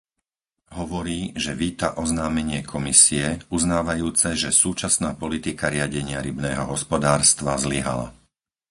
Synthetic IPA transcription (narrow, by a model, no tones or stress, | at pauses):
ɦɔʋɔɾiːʒɛʋiːt̪a̰ʔɔznaːmɛɲɪɛkʰɔmisiɛuznaːʋajuːt͡sɛʒɛsuːt͡ʃasnaːpɔlit̪ikaɾɪaɟɛɲɪaɾibnɛːɦɔɦɔspɔd̪aːɾst̪ʋazliɦa̰la̰